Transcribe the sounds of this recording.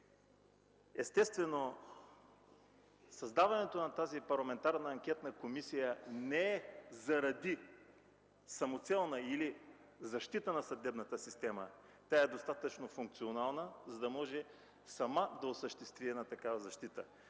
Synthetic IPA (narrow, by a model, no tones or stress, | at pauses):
ɛst̪ɛst̪vɛno | sɐzd̪avɐnɛt̪onɐt̪azipɐɾlˠɐmɛnt̪aɾnəːŋkʲɛt̪nəkomisijənɛɛzɐɾɐd̪i | sɐmot̪sɛlˠnəili | zɐʃt̪it̪ənɐsɐd̪ɛbnət̪əsist̪ɛmə | t̪ʲaɛd̪ost̪at̪ət͡ʃnofuŋk̚t̪sionalˠnəzɐd̪ɐmɔʒɛ | sɐmad̪ɐosəʃt̪ɛst̪vʲiɛnat̪ɐkavɐzɐʃt̪it̪ə